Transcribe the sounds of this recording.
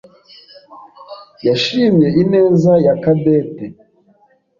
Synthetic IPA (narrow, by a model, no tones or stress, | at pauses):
jaʃimjɛineːzajakabɛte